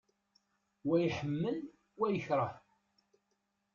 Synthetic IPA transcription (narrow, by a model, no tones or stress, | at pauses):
wæjħəmːəl | wæjəçɾˤə